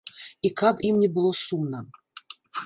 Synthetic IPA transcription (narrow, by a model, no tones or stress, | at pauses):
ikabimnʲɛbɨlˠosumnə